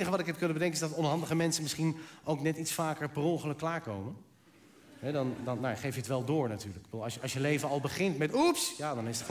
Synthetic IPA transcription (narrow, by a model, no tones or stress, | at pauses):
nəχəʋɑtɪkɦɛp̚kɵnənbədɛŋkənɪsdɑtɔnɦɑndəχəmɛnsənmɪsχinʔowknɛtitsfaːkəɹprɔŋχələkːlaːɹkowmən | ɦɛdɑndɑnnojaχejfjəətʋɛlˠdoːɹnatyːɹlək̚bəduːlˠɑjɑsjəlejvənɑlˠbəχɪntmɛtupsjadɑnestə̥